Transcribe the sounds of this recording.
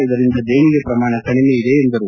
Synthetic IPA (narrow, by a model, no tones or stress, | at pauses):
iðɐɾind̪ɐd̪eːɳiɡepɾɐmaːɳɐkɐɳimeiðeːnd̪ɐɾu